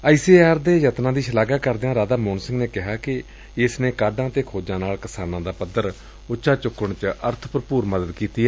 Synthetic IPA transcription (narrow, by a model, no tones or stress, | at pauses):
aːisiːaːɾd̪eːjət̪nãːd̪iːʃəlaːɡaːkəɾd̪eãːɾaːd̪aːmoːnsɪ̃ŋɡneːkɪɦaːkɪ | ɪsneːkaːɖãːt̪eːkʰoːd͡ʒãːnaːlkɪsaːnãːd̪aːpəd̪əɾ | ʊʃaːt͡ʃʊkːəɳt͡ʃəɾt̪ʰpɾəpuːɾməd̪əd̪kiːt̪iːɛː